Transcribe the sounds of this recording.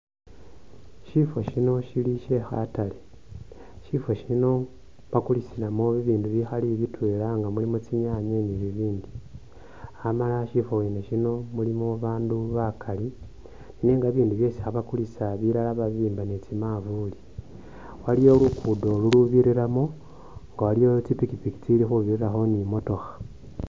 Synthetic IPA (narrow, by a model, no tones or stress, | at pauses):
ʃifo̞ʃino̞ʃiliʃe̞xa̰tale | ʃifoʃino̞ | βakulisilamoβiβiːnduβixaliβitwe̞ːlaŋɡamulimot͡siɲaːɲeniβiβiːndi | amalaʃifoweːneʃino̞mulimoβaːnduβakʰali | nineːŋɡaβiːnduβjo̞ːsi̥xaβakulisaβiɾalaβaβiːmbanet͡simavuli | walijo̞lukudo̞luluβiɾiɾamo | ŋɡawalijo̞t͡sipikipiki̥t͡silixuβiɾiɾaxo̞nimo̞to̞xḁ